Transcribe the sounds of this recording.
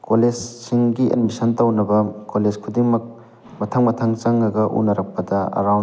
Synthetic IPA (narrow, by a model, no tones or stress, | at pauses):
koled͡ʒsiŋɡiʔɐ̰nmisɐntɐwnɐbɐkoled͡ʒkʰudiŋmɐk̚ | mɐtʰɐŋmɐtʰɐŋt͡ʃɐŋɐɡɐʔṵnɐɾɐk̚pɐdɐɐ̰ɾawn